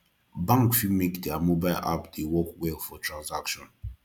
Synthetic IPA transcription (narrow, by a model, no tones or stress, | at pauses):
bãŋkfimekdiamobaɪlʔa̰pdewɔkwefɔtʰɹãnzakʃɔ̃n